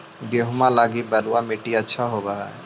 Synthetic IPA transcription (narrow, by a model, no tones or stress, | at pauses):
ɡeɦʊmãlaːɡibɐluwamɪʈiɐtːʃʰaɦoːbaɦa